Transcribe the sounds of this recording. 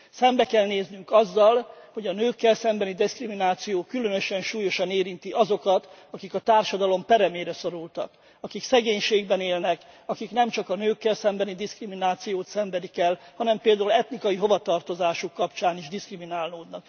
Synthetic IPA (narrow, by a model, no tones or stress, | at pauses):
sɛmbɛkɛlneːznyŋkɒzːɒlho̞ɟɒnøːkːɛlsɛmbɛnid̪iskriminaːt̪sijoːkylønøʃɛnʃuːjo̞ʃɒneːɾint̪iʔɒzo̞kɒt̪ɒkikɒt̪aːrʃɒd̪ɒlompɛɾɛmeːɾɛso̞ɾult̪ɒ̰k | ɒkiksɛɡeːɲʃeːɡbɛneːlnɛkɒkiknɛmt͡ʃɒkɒnøːkːɛlsɛmbɛnid̪iskriminaːt̪sijoːt̪sɛmbɛd̪ikɛlːhɒnɛmpeːld̪aːulɛt̪nikɒjiɦo̞vɒt̪ɒrt̪o̞zaːʃukːɒpt͡ʃaːniʒd̪iskriminaːlnoːd̪nɒk̚